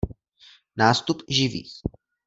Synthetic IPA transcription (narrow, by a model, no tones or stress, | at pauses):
naːst̪upʒɪvḭːx